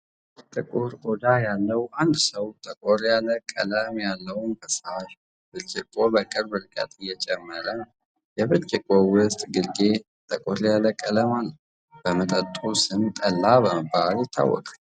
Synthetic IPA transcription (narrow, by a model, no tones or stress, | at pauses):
t̪ʼɨkʼuɾʔod̪ajalːəwand̪səwt̪ʼəkʼoɾjaləkʼːələmjalːəwʊnkʰəsaʃ | b̥ɨlt͡ʃʼɪkʼːobəkʼɨɾbɨɾkʼə̰t̪ʼɨjːɛt͡ʃʼɛmːəɾə | jɛβɨlt͡ʃʼɪkʼowʊst̪ʼɡɨlɡe | t̪ʼəkʼoɾjaləkʼːələmalːəw | b̥əmət̪ʼət̪ʼusɨnt̪ʼəlːabəməbaljɪt̪ʰːa̰wːɔ̰kʼḁl